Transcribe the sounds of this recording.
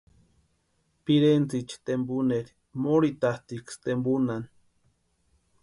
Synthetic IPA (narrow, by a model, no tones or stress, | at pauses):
piɾent͡sit͡ʃi̥t̪embuneɾi | moɾit̪aht̪ikst̪embunan